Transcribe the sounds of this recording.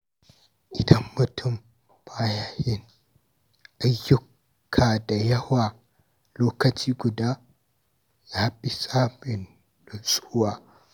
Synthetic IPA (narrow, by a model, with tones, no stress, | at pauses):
ʔɪ˨dɐ˦mːʊ˨tʰʊ˦˨m | b̥a˦ja˦hɪ˦˨n | ʔa˨jːʊ˦kʰː | aː˨da˨jɐ˦waː˨ | loː˦kɐ˨t͡ʃiː˦ɡʊ˨daː˦ | jaː˦bɪ˨saː˦bɪ˨n | lʊ˨nsʼʊ˦waː˦